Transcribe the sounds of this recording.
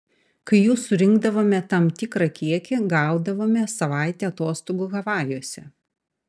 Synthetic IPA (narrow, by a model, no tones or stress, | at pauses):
kɐɪjuːsʊɾʲɪŋɡd̪ɐʋoːmʲɛt̪ɐmt̪ʲɪkɾɐkʲiɛkʲɪɡɑˑʊd̪ɐʋoːmʲɛsɐʋɑˑɪt̪ʲeːɐt̪oːst̪oːɡuɣɐʋɑːjoɔsʲɛ